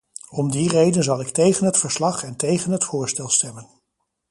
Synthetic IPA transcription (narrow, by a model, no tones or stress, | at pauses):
ɔmdirejdənzɑlˠɪktejχənɦətfəɹslɑχɛntejχənɦətfʊːɹstɛlˠstɛmən